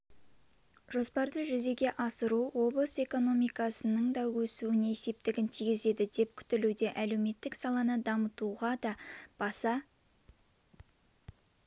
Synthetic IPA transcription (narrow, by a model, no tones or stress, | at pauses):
ʒo̞spɑɾd̪əʒʏze̞ɡʲe̞ʔɑsəɾuwo̞blˠəse̞ko̞no̞mijkɑsənəɴd̪ɑwɵsuɪne̞se̞p̚t̪ɪɡʲɪnt̪ʰijɡʲɪze̞d̪ɪd̪e̞p̚kʲʰʏ̥t̪ɪlud̪e̞ʔæle̞wme̞t̪ːɪksɑlˠɑnəd̪ɑmət̪uʁɑd̪ɑb̥ɑsɑ